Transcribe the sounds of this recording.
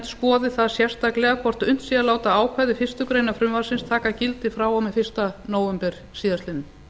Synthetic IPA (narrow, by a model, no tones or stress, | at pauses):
ɛ̥t̪skɔːðɪθaðsjɛ̥st̪aklɛɣakʰvɔr̥t̪ʏn̥t̪siðalaːwt̪aaːwkʰvaðɪfɪr̥st̪ʏkɾeːjnafɾʏmvasɪnst̪ʰaːkacɪlt̪ɪfɾaːwawmɛfɪr̥st̪anoːwvɛmpɛɾ̥ | siːðast̪ɪnʏm